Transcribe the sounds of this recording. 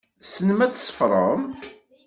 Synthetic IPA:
sənmæt͡sːsə̥fɾˤə̰m

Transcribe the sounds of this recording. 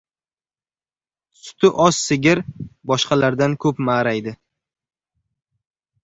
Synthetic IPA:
sʊ̥t̪ʰɪʔɒssɪɡʲɪɾbɒʃqʰɑlaɾd̪ankʰɵpmaːɾajd̪ɪ

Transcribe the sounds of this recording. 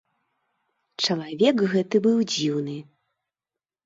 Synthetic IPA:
t͡ʂɐlˠavʲɛkɣɛt̪ɨbɨwd͡zʲiwnɨ

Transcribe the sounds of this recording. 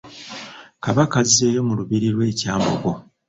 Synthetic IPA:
kaβakazeːjomuluβiɾiɾwe̞ːcaːmbo̞̰ɡo̞

